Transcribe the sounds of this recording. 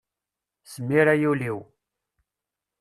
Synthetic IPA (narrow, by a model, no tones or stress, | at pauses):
səmːiɾæjuliw